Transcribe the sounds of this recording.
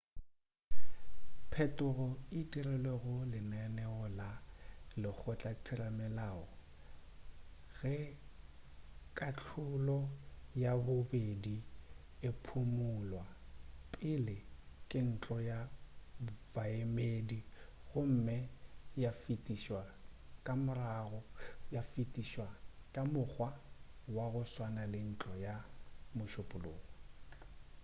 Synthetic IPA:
pʰɛtʼʊrɔitʼirɛlɛɣʊlɪnɛnɛɔlalɪk͡xʰʊt͡ɬʼatʰɪramɛlaːɔ | ɣɛ | kʼat͡ɬʰʊlɔjabʊbedi | ɪpʰʊmʊlwapʼɪlɪkʼɪn̩t͡ɬʼɔja | b̥aemediɣʊm̩mɪjafitʼiʃwakʼamʊraɣɔjafitʼiʃwakʼamʊk͡xʰwawaɣʊswanalɪn̩t͡ɬʼɔjamʊʃʊpʼʊlo̰ːɣɔ

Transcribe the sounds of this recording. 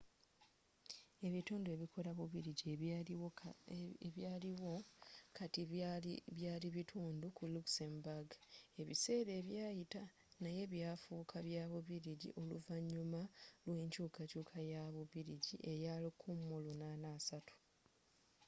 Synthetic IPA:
e̞βituːndwe̞βikʰo̞ɾaβuβiɾiɟi | βjaːliwo̞katiβjaːliβitʰuːndukuluksembaɡe̞βḭse̞ːɾe̞ːβjaːjita | naje̞βjafukʰaβjaːβuβiɾiɟḭʔo̞lṵvaɲːumalwe̞ːɲcuːkacuːkʰajaβuβiɾiɟiʔe̞jalikʰumːulunanaːsatu̥

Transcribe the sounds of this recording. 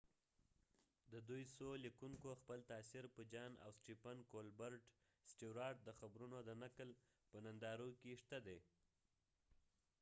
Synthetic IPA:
d̪əd̪ujsolikuŋkoxpəlt̪ɑsiɾpəd͡ʒɑna̰wsʈipankolbəɾʈ | sʈiwɾɑʈ̚d̪əxabɾunod̪ənakəl | pənand̪ɑɾokeʂt̪ad̪e

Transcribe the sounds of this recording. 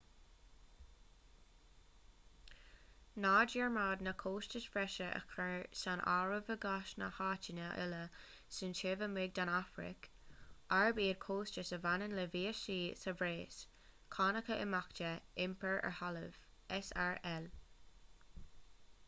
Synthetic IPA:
naːdiɹmaːd̪nəkʰoːst͡ʃəsfɹɛʃəʔə̰kʰəsanʔa̰ːɹəvəɡaʃnə̰haːt͡ʃɪnəʔɪ̰lə | sɪnt͡ʃevəmɪɡ̚d̪anafɾɪ̰k | aɹbiːədkʰoːst͡ʃəsəvanənləviːəʃiːsəvɾeːs | kʰɑːnəkəʔɪmakt͡ʃəɪmpəɹə̰ɹhaləvʔɛsaɹɛl

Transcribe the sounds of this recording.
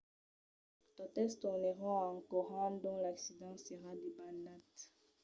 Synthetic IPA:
t̪ot̪ɛlst̪uʁneʁɔ̃ɑ̃kɔʁɑ̃d̪ɔ̃laksid̪ɑ̃seʁad̪ebanat̪

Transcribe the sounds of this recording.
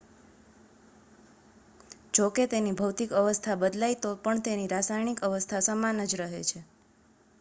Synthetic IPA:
d͡ʒoket̪enibʱəwt̪ikəʋəst̪ʰabəd̪lajt̪opəɳt̪eniɾasajnikəʋəst̪ʰasəmanəd͡ʒɾəɦet͡ʃʰe

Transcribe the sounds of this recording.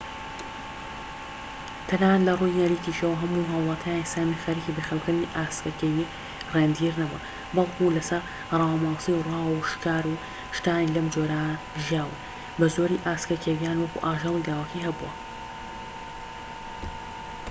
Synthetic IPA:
t̪ʰɐnaːt̪lɐrujnɐɾiːk̪iʃɐwɐɦɐmuɦɐwlˠɑt̪ʰjaːnisaɾmixɐɾikibɐxɐlkɨd̪niʔaːskɐkeji | reːnd̪iɾnɐbɐ̰ | bɑlˠkʰulɐsɐɾ | rˤɑwamaːwsiwrwaːwuʃkaːɾu | ʃt̪aːnilɐmd͡ʒoːɾa | ʒjaːwɐ | bɐzoːɾiʔaːskɐkewijaːnwɐkṵʔaːʒɑlˠilaːwɐkʰiɦɐbṵɐ̰

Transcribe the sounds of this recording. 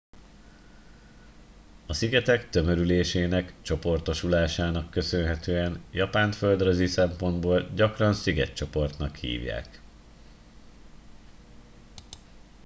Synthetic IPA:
ɒsiɡɛt̪ɛkt̪ø̞mø̞ɾyleːʃeːnɛkt͡ʃo̞po̞rt̪o̞ʃulaːʃaːnɒkːø̞sønɦɛt̪øːɛnjɒpaːnføld̪røzisɛmpo̞nd̪boːlɟɒkrɒnsiɡɛ̰t̪t͡ʃo̞po̞rt̪nɒkhḭːvja̰ːk

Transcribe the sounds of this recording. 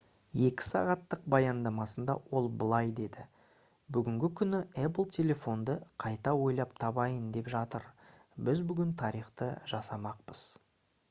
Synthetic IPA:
je̞kʲɪ̥sɑ̰ʁɑt̪ːəq̚bɑjɑnd̪ɑmɑsənd̪ɑ̰wo̞lˠbəlˠɑjd̪e̞d̪ɪ | bʏɡʲɪŋɡʲɪkʲʰʏnɪæp̬əlˠt̪ʲʰe̞le̞fo̞nd̪əqʰɑjt̪ɑwo̞jlˠɑp̚t̪ʰɑbɑjənd̪e̞pʒɑt̪əɾ | bɪzbʏɡʲɪnt̪ʰɑɾijχt̪ə̰ʒɑsɑmɑq̚pəz̥

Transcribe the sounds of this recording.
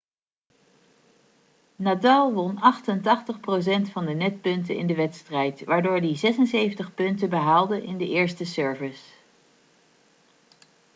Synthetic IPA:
nadalˠʋɔnɑχtəntɑχtəχpros̬ɛntfɑndənɛt̚pɵntənɪ̰ndəʋɛtstrɛjtʋaːɹdʊːɹdizɛsənsejvəntəχpɵntəbəɦaːlˠdənʔɪndəʔɪːɹstəsøɹvɪs

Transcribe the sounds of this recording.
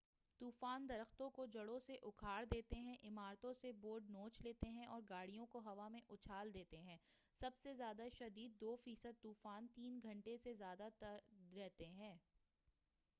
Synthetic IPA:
t̪uːfaːnd̪ɐɾəxt̪õkod͡ʒɐɽõseʔʊkʰaːɾd̪eːt̪eɦɛ̃ʔɪmaːɾt̪õseboːɾɖ̚noːt͡ʃleːt̪eɦɛ̃ʔɔːɾɡaːɽijõkoɦɐʋamẽʔʊt͡ʃʰaːld̪eːt̪eɦɛ̃ː | sɐbsezjaːd̪aʃɐd̪iːd̪̚ːoːfiːsəd̪̚t̪uːfaːnt̪iːnɡʱɐ̃ɳʈesezjaːd̪at̪ɐɾɛɦt̪eɦɛ̃ː

